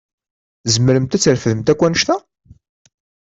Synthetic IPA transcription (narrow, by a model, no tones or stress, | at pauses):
zəmːəɾəmt̪æt͡sːəɾfəðəmt̪ækʷːænəʃt̪æ